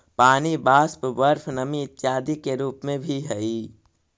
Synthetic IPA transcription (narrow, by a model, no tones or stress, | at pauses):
paːnibaːspbəɾpʰnəmiɪt̪ːjaːd̪ikeɾuːpmẽbʱiɦɛi